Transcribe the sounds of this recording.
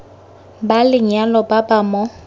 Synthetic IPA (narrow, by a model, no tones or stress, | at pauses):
balɪɲalɔbabamɔ